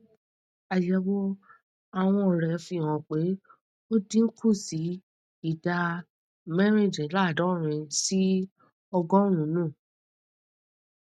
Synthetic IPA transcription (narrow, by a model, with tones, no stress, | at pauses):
a˨jɛ˨˦wo˦ | a˨w̃ɔ̃˧ɔ˨ɾɛ˨˧fĩ˧˨wɔ̃˨k͡pe˨˦ | o˦dĩ˦ŋ̩˦kʰu˦˨si˨˦ | i˦˨da˧ | mɛ˦ɾ̃ĩ˦˨d͡ʒɛ̃˨˦la˦˨dɔ̃˨˦˨ɾ̃ĩ˧si˦ | ɔ˧ɡɔ̃˦ɾ̃ũ˨˦nũ˦˨